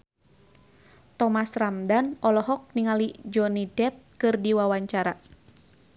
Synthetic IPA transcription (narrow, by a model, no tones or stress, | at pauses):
t̪ɔmasramdanɔlɔɦɔk̚niŋalid͡ʒɔnidɛp̚kɨrdiwawaɲt͡ʃaɾa